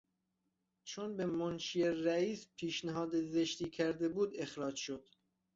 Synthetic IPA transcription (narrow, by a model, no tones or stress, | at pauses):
t͡ʃʰonbemonʃieɾæiːspʰiːʃnæɦɒːd̪ezeʃt̪iːkʲʰæɾd̪ebuːd̪e̞xɾɒːd͡ʒʃod̪̥